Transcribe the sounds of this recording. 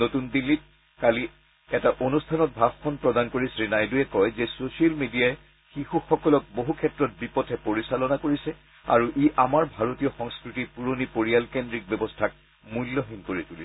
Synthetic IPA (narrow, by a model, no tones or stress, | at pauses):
notundilːit̚ | kali | ɛtaʔonustʰanɔt̚bʱabxʰɔnpɹɔdankoɹisɹinajduɛkɔjzɛsosialmidijaɛ | xixuxɔkɔlɔk̚boɦukʰɛtɹɔt̚bipɔtʰɛpoɹisalɔnakoɹisɛ | a̰ɹuʔiamaɹbʱaɹotijɔxɔŋskɹitipuɹonipoɹialkendɹik̚bɛbɔstʰak̚ | mulːoɦinkoɹituli